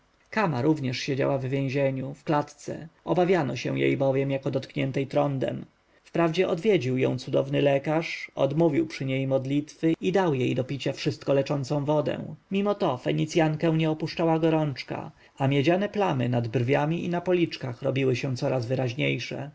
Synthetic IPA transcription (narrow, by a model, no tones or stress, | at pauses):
kamaɾuvɲɛʂɕed͡ʑa̰wavːʲjẽw̃ʑeɲufklat̪t̪sɛ̰ɔbavʲjanɔɕɛ̰w̃jḛjbɔvʲjɛmjakɔd̪ɔt̪kɲɛnt̪ɛjt̪ɾɔnd̪ɛ̰m | fpɾavd͡ʑɛʔɔd̪vʲjed͡ʑiwjɔ̰̃w̃t̪sud̪ɔvnɘlɛkaʂɔ̰d̪muvʲiwpʂɘɲejmɔd̪lʲit̪fɘid̪awjejd̪ɔpʲit͡ɕafʂɘst̪̚kɔlɛt͡ʂɔnt̪sɔ̃w̃vɔd̪ɛ̰̃mʲimɔt̪ɔfɛɲit̪sʲjaŋkɛ̃w̃ɲɛɔpuʂt͡ʂawaɡɔɾɔnt͡ʂka̰ | amʲjɛd͡ʑanɛplamɘnad̪brvʲjamʲiʔḭnapɔlʲit͡ʂkaxɾɔbʲiwɘɕɛ̃t̪sɔɾazvɘɾaʑɲejʂɛ̰